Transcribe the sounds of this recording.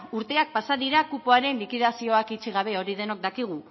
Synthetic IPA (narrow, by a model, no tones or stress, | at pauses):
uɾt̪e̞ak̚pasaðiɾakupoaɾe̞nlikiðasio̞akit͡ʃiɣ̞aβ̞e̞o̞ɾiðe̞nok̚d̪akiɣ̞u